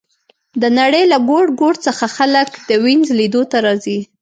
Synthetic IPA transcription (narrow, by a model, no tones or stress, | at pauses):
d̪ənaɽəjlaɡoɽɡoɽt͡səxaxaləkd̪əwinzlid̪ot̪aɾɑzi